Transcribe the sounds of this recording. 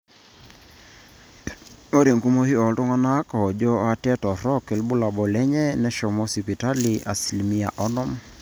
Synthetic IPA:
ŋo˦ɾe˨ŋɡu˦mo˦hi˦ɔ˨ltu˦ŋa˦na˦ka˨ɔ˨d͡ʒɔ˦a˦tɛ˦tɔ˨ɾɔ˦kɛ˨lbu˦la˨bɔ˨lɛ˦ɲɛ˦nɛ˦ʃɔ˨mɔ˦si˨pi˨ta˦li˨ʔa̰˨si˨lmi˦a̰˨ʔɔ˦nɔ˦m

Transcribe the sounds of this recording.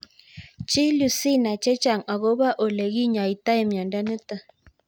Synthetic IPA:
t͡ʃi˦lu˨si˦na˨t͡ʃe˦t͡ʃa˨ŋa˨ɣo˦βa˦ʔo˨le˨ɣi˦ɲa˨i˨t̪a˦e˦mja˨nda˦nɨ˦t̪a˦˨

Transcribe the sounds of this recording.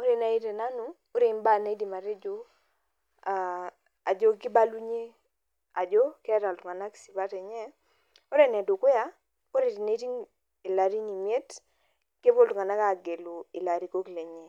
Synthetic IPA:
o˦ɾe˨na˨i˦ɾe˨na˦nu˨ | o˦ɾe˨˦mba˦˨na˦i˦di˨ma˨ɾe˦d͡ʒo˦ | a˨ | a˨d͡ʒo˦kɪ˦ba˦lu˦ɲe˦ | a˨d͡ʒo˦ke˦a˦ta˨ltʊ˨ŋa˨na˦ksi˨ba˦tɛ˨ɲɛ˦ | o˦ɾe˦˨nɛ˨do˨kwɪ˦a˦ | o˦ɾe˨di˨ne˦ti˦ŋ | i˨la˨ɾi˦ɲi˨mje˦t | ke˦bo˦ltʊ˨ŋa˨na˦ka˦˨ɡe˨lo˨i˨la˨ɾi˨ko˦kle˨ɲɛ˦˨

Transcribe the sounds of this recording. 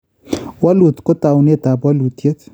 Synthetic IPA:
wa˦lu˨t̪ko˦t̪a˨wne˦t̪a˨pwa˦lu˨t̪je˦t̪

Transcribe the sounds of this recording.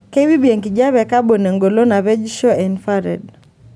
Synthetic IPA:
ke˦wi˦bi˨e˨ŋki˨d͡ʒa˦βɛ˨ka˦bo˨ne˨ŋɡo˨lo˦na˨βɛ˦d͡ʒʃɔ˦ɛ˨nfa˦ɾɛ̰˨d

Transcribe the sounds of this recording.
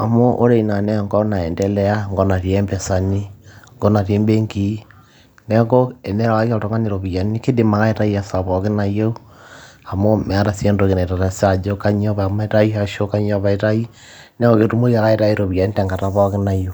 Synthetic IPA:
a˨mo˦ʔo˦ɾe˨i˨na˨nɛ˦˨ŋɡɔ˦na˨ɛ˨ndɛ˦lɛ˦a˦ŋɡo˦na˨ɾi˨e˦mbe˨sa˨ni˦ŋɡɔ˦na˨te˦mbe˦ŋɡi˨˦ | ne˦ko˦e˨ne˦ɾa˨wa˦ki˦a˦to˨ŋa˦ne˨ɾo˨βi˨a˨ni˦ke˦de˨ma˨ka˦e˦ta˦i˦a˨sa˨βɔ˨ke˦na˨jo˦ | a˨mo˦me˨a˦ɾa˨se˦ndo˨ke˨na˨ta˨ta˨sa˨d͡ʒo˦ka˦ɲo˦βaa˨ma˦e˦ta˦i˦aʃo˦ka˦ɲo˦βa˨e˦ta˦i˦ | ne˦ŋɡo˦˨ke˨tu˦mo˦ia˨ɣa˦e˦ɾa˦i˦ɾo˨βi˨a˨ni˦te˨ŋɡa˨ta˨βɔ˦ke˦na˨jo˦

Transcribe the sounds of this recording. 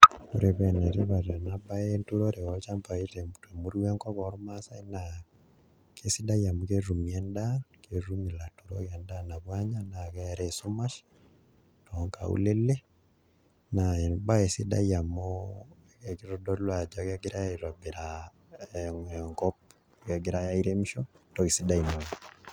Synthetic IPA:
u˦ɾe˨βe˨ne˨ɾi˦βa˨ɾa˨naba˦entu˦ɾo˦ɾe˨ɔ˦t͡ʃa˦mpa˨i˦te˨mte˨mu˦ɾu˦wɛ˦ŋkɔ˦kɔ˨ɾma˦sa˦i˦na˨ | ke˦si˦da˦ja˨mu˦ke˦ru˨mi˨ɛ˦nda˦ke˨ɾu˦mi˨la˨tu˨ɾo̰˦kɛ˨nda˦na˨βwa˦ɲa˦na˨kɛ˦ɾe˨su˦ma˦ʃ | tɔŋka̰˨ṵ˦le˦le˦ | na˨e˨nba˦e˨si˦da̰˦ja˨mo | keki˦ɾɔ˦dɔ˦lwa˨d͡ʒɔ˨ke˦ɡɪ˦ɾa˦e˨ɾwa˨bi˨ɾa | ŋkɔp̚ | ke˦ɡiɾa˦ja˦i˦ɾe˦m˦ʃɔ˦ | tɔ˦ki˨si˦da˦i˨no˨

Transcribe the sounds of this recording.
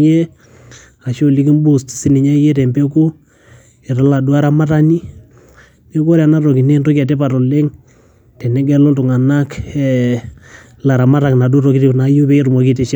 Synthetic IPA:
e˦ | a˨ʃo˦li˦ki˦mbu˦sti̥˨si˦ni˨ɲa˦je˦tɛ˨mbe˦ku˦ | e˨ɾa˦la˨du˦a˦ɾa˦ma˦ta˦ni˦ | ni˦ko˦ɾja˨na˦ɾo˨ki˨ne˦nto˦ka˨t̬ɛ˦pa˨ɾo˨le˦ŋ | tɛ˨nɛ˦ɡɛ˦lo˦ntʊ˨ŋa˨na˦kɛ | la˨ɾa˨ma˦ɾa˨kna˨du˦ɾo˨ki˦ti˦na˨ju˦pe˦e˦ɾmo˨k̬i˦te˨ʃ

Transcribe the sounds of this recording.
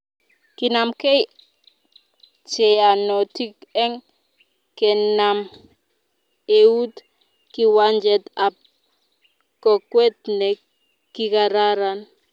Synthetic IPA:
ki˨na˨mkɛ˦j | t͡ʃɛ˨a˨nɔ˨ti˦kɛ˦ŋ | kɛ˨na˨m | e˨u˦t | ki˦wa˦nd͡ʒɛ˦tap̚ | kɔ˨kwɛ˦t̚nɛ˨ | ki˦ka˨ɾa˦ɾan

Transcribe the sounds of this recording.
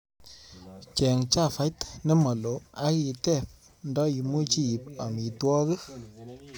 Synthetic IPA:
t͡ʃɛ˨ŋt͡ʃa˦˨fa˨˦jtne˦mɔ˨lo˨a˦ki˨tɛ˦˨p̚ | ndɔ˦i˨mu˦t͡ʃi˦˨pa˨mi˨twɔ˦kə˦

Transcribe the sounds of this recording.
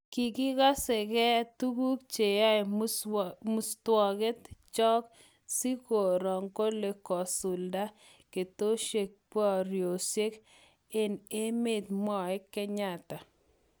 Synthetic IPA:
ki˨ɡɪ˦ɡɔ˦sɪ˨kɛ˦tu˦ɡu˦kt͡ʃe˨ja˦ɪ˨ | mu˨stwɔ˨ɡe˦t̪t͡ʃɔ˦k | si˦ko˨ɾɔ˨ŋko˦le˨kɔ˨sʊ˨lda˦ | ke˨to˦ʃe˨k̚pɔ˦ɾjo˨sje˦k | e˦ne˦me˨t̪mɔ˦e˦kɛ˦ɲa˦˨ta˨

